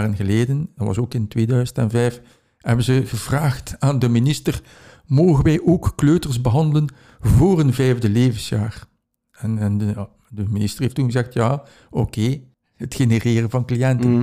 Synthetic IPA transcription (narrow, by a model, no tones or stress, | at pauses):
rənɣəleːdəndɑtʋɑ̰soːkɪntʋeːdœɥzəntɛnvɛjf | hɛbənzəɣəvraːxtaːndəminɪstər | moːɣənʋɛjʔoːkːløːtərsbəɦɑndələn | voːrənvɛjvdəleːvənsja̰ːr | ɛnɛnə | dəminɪstəreːftːunɣəzɛxtjaː | okʰeː | ətxenəreːrənvɑnklijɛntən